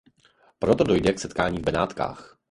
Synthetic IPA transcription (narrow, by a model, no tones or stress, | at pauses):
pɾot̪odojdɛksɛt̪kaːɲiːvbɛnaːt̪ka̰ːx